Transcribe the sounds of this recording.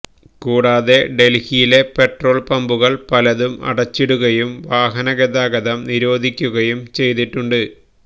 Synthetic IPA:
kuːɽaːðe̞ɖe̞lhijile̞pe̞ʈro̞ːɭpɐmbuɣɐɭpɐlɐðumɐ̰ɽɐt͡ɕːiɽuɣɐjumʋaːɦɐnɐɡed̪aːɡɐðɐmniɾo̞ːd̪ʱikʲːuɣɐjumt͡ɕe̞jt̪iʈːuɳɖɨ

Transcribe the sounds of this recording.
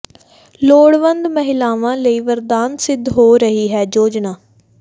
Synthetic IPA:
loːɽʋənd̪məɦɪlaːʋãːləiːʋəɾd̪aːnsɪd̪ʱɦoːɾəɦiːɦɛːd͡ʒoːd͡ʒnaː

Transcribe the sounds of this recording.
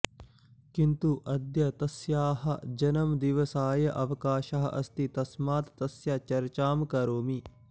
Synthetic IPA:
kint̪uʔɐd̪jɐt̪ɐsjaːɦɐd͡ʒɐnɐmd̪iʋɐsaːjɐʔɐʋɐkaːʃɐɦɐ̰ʔɐ̰st̪it̪ɐsmaːt̪ːɐsjat͡ʃɐɾt͡ʃaːmkɐɾoːmi

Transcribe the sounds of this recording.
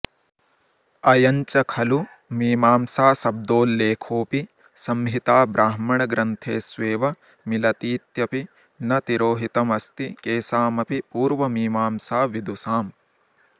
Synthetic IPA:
ɐjɐɲt͡ʃɐkʰɐlu | miːmaːmsaːsɐb̚d̪oːlːeːkʰoːpi | sɐmɦit̪aːbɾʔaːɦmɐɳɐɡɾɐnt̪ʰeːsʋeːʋɐ | milɐt̪iːt̪jɐpi | nɐt̪iɾoːɦit̪ɐmɐst̪ikeːsaːmɐpipuːɾʋɐmiːmaːmsaːʋid̪usaːm

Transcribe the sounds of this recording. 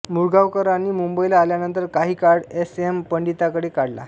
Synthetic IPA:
muɾɡaʋkəɾaniːmumbəilaːljanənt̪əɾkaɦiːkaɾɽesempəɳɖit̪akəɽekaɽla̰

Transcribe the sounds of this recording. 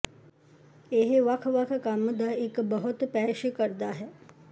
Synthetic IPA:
eɦʋɐkʰʋɐkʰkamd̪aekbəɦʊt̪pɛːʃəkəɾd̪aɦɛː

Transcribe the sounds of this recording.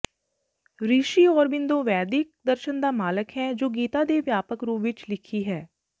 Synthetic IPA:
ɾiːʃiːɔːɾbɪnd̪õːʋɛːd̪ɪk̚d̪əɾʃənd̪aːmaːləkɦɛːd͡ʒoːɡiːt̪ad̪eːʋjaːpəkɾuːʋɪt͡ʃlɪkʰiɦɛː

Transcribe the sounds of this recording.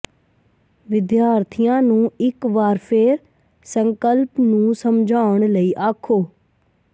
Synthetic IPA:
ʋɪd̪jaːɾt̪ʰijãːnũːɪkʋaːɾpʰeːɾ | səŋkəlpnũːsəmd͡ʒʱaːʊɳ̃ləiːʔaːkʰoː

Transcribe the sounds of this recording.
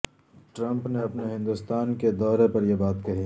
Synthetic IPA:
ʈɾɐ̃mpneɐpneɦɪ̃nd̪ust̪aːnked̪ɔːɾepɐɾjebaːt̪kɐɦiː

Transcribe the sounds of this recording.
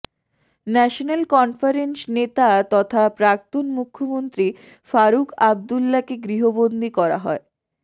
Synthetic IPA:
nɛʃonelkɔnfaɾensnet̪at̪ɔt̪ʰapɾak̚t̪onmukʰːomont̪ɾi | faɾukab̚d̪ulːakeɡɾiɦobond̪ʱikɔɾa̰ɦɔe

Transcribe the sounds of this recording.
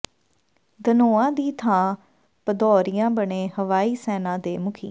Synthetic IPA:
d̪ənoːãːd̪iːt̪ʰãː | pəd̪ɔːɾijãːbəɳẽːhəʋaːiːsɛːnãːd̪eːmʊkʰḭː

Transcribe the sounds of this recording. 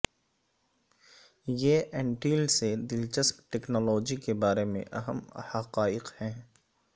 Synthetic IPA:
jeːʔɛ̃ːɳʈiːlsed̪ɪlt͡ʃəspʈɛːknɔːlɔːd͡ʒikebaːɾemḛ̃ʔɐɦəmhɐqaːɪqhɛ̃ː

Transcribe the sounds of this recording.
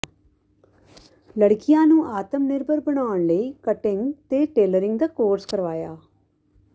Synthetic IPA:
ləɽkɪjãːnũːʔaːt̪əmnɪɾbəɾbəɳaːəɳləiːkəʈɪŋɡt̪eːʈeːləɾɪ̃ŋɡd̪aːkoːɾskəɾʋaːjaː

